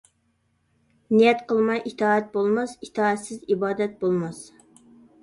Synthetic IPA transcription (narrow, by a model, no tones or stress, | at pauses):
nijɛt̪qəlˠmɑjʔit̪ʰɑːɛt̪̚bolˠmɑsit̪ʰɑːɛt̪sɪzibɑːd̪ɛt̪̚bolˠmɑs